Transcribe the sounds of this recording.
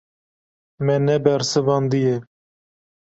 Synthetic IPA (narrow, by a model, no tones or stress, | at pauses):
mɛnɛbɛɾsɨvɑːnd̪ijɛ